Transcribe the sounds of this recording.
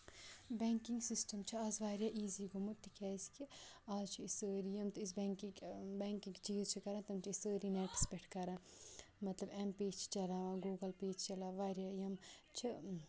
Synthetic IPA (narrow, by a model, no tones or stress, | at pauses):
bɛːŋkiŋɡsisʈɐmt͡ʃʰiaːzʋaːɾjaːʔiːziːɡumut̪ːikʲɛːskiaːzt͡ʃʰiisəːɾijɐmt̪uis̬bɛŋkibɛːŋkiŋkt͡ʃiːzt͡ʃʰikɐɾãːt̪ɐmt͡ʃʰiisəːɾinɛːʈi̥speʈʰkɐɾãː | mɐt̪lɐbempeːt͡ʃʰt͡ʃɐlaːʋãːɡuːɡɐlpeːt͡ʃʰt͡ʃɐlaːʋaːɾjajɐmt͡ʃʰi